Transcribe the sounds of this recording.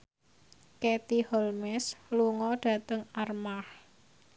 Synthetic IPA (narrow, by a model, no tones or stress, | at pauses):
ket̪ihɔlmɛsluŋɔɖ̥ä̤t̪əŋarmah